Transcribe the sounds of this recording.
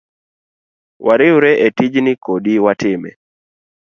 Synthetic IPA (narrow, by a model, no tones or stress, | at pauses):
wʔaɾɪuɾɛʔetid͡ʒnikodiwatɪmɛ̰